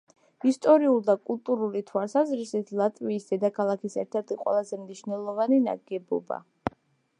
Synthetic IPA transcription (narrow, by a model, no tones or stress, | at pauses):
ist̪ʼɔɾiulˠd̪akʼulˠt̪ʼuɾulit̪ʰwalˠsazɾisit̪ʰlˠat̪ʼviːsd̪ɛd̪akʰalˠakʰisɛ̰ɾt̪ʰɛɾt̪ʰiqʼwɛ̰lˠazɛmniʃnɛlˠɔvanina̰ɡɛbɔ̰ba̰